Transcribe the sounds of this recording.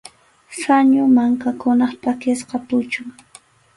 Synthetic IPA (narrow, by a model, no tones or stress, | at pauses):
saɲʊmaŋkakʊnɑχp̪akɪsqɑt̪ʊt͡ʃʊŋ